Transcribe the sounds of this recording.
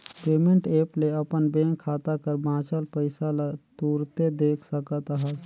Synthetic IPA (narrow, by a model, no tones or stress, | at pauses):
peːmẽɳʈeːpleəpənbẽːkʰːaːt̪akəɾbãːt͡ʃəlpəɪsalat̪uːɾt̪ed̪eːkʰsəkət̪ɦəs